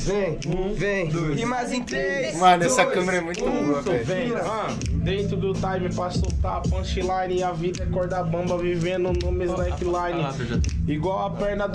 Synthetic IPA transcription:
vẽvẽj̃d̪uɪmajzĩt̪emãnɛsɐkɐ̃meɾɐɛmũj̃t̪ʊot̪ʊvẽj̃ | a | d̪ẽnt̪ɾʊd̪ʊt̪ajmɪpɾɐsowt̪aɐpɐ̃ʃilajnɪɐvid̪ɐɐkɔɾd̪abɐ̃mbɐvivẽd̪ʊnõmɪzd̪aɛkilajnɪ | iɡwawɐpɛɾnɐd̪

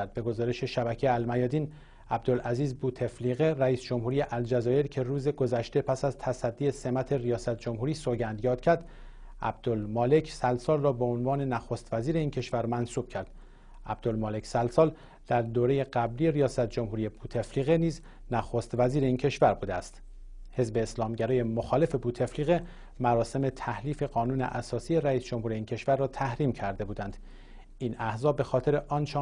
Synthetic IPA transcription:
d̪̚be̞ɡo̞zɒːɾeʃe̞ʃæbæcʰejælmæjɒːd̪iːn | æb̚d̪o̞lʔæziːzbuːt̪ʰe̞fliːɣeɾæiːsd͡ʒo̞mhuːɾijeʔæld͡ʒæzɒːjeɾcʰe̞ɾuːzeɡo̞zæʃt̪e̞pʰæsæzt̪ʰæsæd̪ːiːe̞se̞mæt̪ʰe̞rijɒːsæt̪̚ʰd͡ʒo̞mɦuːɾiːsoɟænd̪jɒːd̪̥̚cʰæɾd̪̥ | ʔæ̰b̚d̪̥olmɒːle̞cʰsælsɒːlrɒːbe̞onvɒːne̞næxoːst̪væziːɾe̞iːncʰe̞ʃvæɾmænsuːb̥cʰæɾd̪̥ | æb̚d̪olmɒːle̞csælsɒːl | d̪̥æɾd̪oːɾe̞je̞ɢæbliːeɾijɒːsæt̪ʰd͡ʒo̞mhuːɾijebuːt̪ʰe̞fliːɣe̞niːz | næxoːst̪væziːɾe̞incʰe̞ʃvæɾbuːd̪eæst̪ | he̞zbe̞ːslɒːmɟæɾɒːje̞moxɒːle̞fe̞buːt̪ʰe̞fliːɣe | mæɾɒːse̞me̞t̪ʰæhliːfe̞ɡɒːnuːne̞̰ʔæsɒːsije̞ɾæiːsd͡ʒo̞mhuːɾeiːncʰe̞ʃvæɾːɒːt̪ʰæhɾiːmcʰæɾd̪e̞buːd̪ænd̪̥ | inæhzɒːbe̞xɒːt̪ʰe̞ɾeʔɒːnt͡ʃʰe

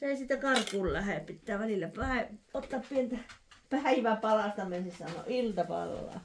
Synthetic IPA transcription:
seˑisiːt̪ækɑrkuːllæhepit̪ːæːʋælilːæpæiot̪ːɑppient̪æpæiʋæpɑlɑˑst̪ɑmensissɑnːˑo̰ːˑilt̪ɑpɑ̰lːɑ̰ː

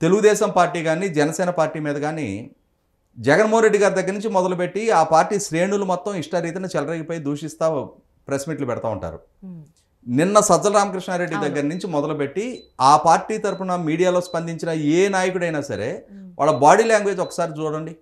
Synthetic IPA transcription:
t̪e̞luɡud̪ɛːʃɐmpaːɾʈːiːɡaːnid͡ʒɛnɐsɛːnɐpaːɾʈːiːmiːd̪ɐɡaːnḭ | d͡ʒɛɡɐnmoɦɐnɾeɖːiɡaːɾid̪ɐɡːɐɾɐnuɲt͡ʃimɔd̪ɐlupe̞ʈːiaːpaːɾʈiːʃɾe̞ːnulumɔt̪ːɐmiʂʈɐɾiːt̪ɐnɐt͡ʃɛlɐɾɐɡipɐjd̪uːʂist̪aː | pɾesmiːʈlupɛɽɐt̪aːṵɳʈa̰ːɾṵ | ninːɐsɐd͡ʒɐlɐɾaːmɐkɾiʂɳaːɾe̞ɖːid̪ɐɡːɐɾɐnuɲt͡ʃimɔd̪ɐlupeʈːiaːpaːɾʈiːt̪ɐɾupunɐmiːɽijaːlo̞ːspɐnd̪iɲt͡ʃinɐeːnaːjɐkuɽɐjnaːsɐ̰ɾe̞̰ːʋʔa̰ːɭːɐbaːɽiːlaːŋɡʋe̞ːd͡ʒɔkːɐ̥saːɾid͡ʒuːɽɐɳɖi

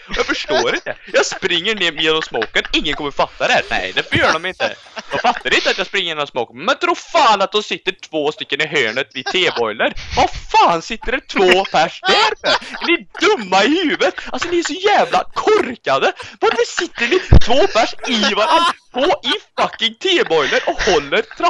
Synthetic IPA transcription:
ɔjɑːɡfœʂʈoːɾɪnt̪əjɑːspɾɪŋːəɳeːɾmjeːnɔmsmoːkənɪŋːənkɔmːəɾɔfat̪ːad̪ɛhæːnɛ̰ɪjd̪ɛfɔːɾjøːɾɖɔmɪnt̪ə̰j̪ɔfat̪ːaɾɪnt̪əat̪jɑɡspɾɪŋːəjɛːnɔsmɑːkənmɛnt̪ʰɾuːɾfaːnat̪̚d̪ɔmsɪt̪ːəʈʰvoːst̪ʏkːənɪɦøːɳət̪vɪt̪ʰeːbɔjləɾvafaːnsɪt̪ːəɾɛt̪ʰvoːpʰæʂd̪æɾɛɛnɪɖɵmːaɪhʉːvət̪alsɔd̪ɪæʂɔjæːvlakʰɔɾkad̪əvɑɾfəsɪt̪ːəɳɪt̪ʰvoːpʰæʂɪvaɾanːfoːʔɪfakːɪŋt̪ʰeːbɔjləɾʔɔhɔlːəɾt̪ʰɾa

